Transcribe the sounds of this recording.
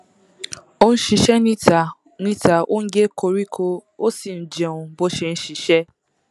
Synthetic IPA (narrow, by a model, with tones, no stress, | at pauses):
o˦n̩˦ʃi˧ʃɛ˦nĩ˦ta˨ | nĩ˦ta˨ʔo˦n̩˦d͡ʒe˦kʰo˧ɾi˦kʰo˦o˦si˨n̩˨d͡ʒe˨ũ˧bo˦ʃe˨˧n̩˦ʃi˨ʃɛ˦